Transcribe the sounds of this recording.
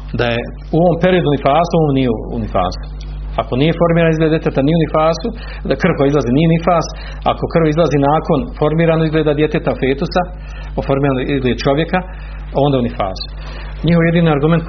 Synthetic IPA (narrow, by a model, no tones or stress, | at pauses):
d̪aje | uoʋompe̞ɾiod̪unifaːsuoːmnijeṵnifa̰ːsu̥ | akonije̞fo̞ɾmiːɾanizled̪d̪jet̪et̪anijeunifaːsu | d̪kr̩ʋkojaizlaziːnijeunifaːs | a̰ko̞kr̩ʋizlˠaziːnaːko̞nfo̞ɾmiːɾanoizɡleːd̪ad̪je̞t̪et̪afeːt̪usa | ofo̞ɾmiːɾanoizɡled̪t͡ʃo̞ʋje̞ka | o̞nd̪aunifa̰ːsu̥ | ɲihoʋoje̞d̪iːnoaɾɡume̞nt̪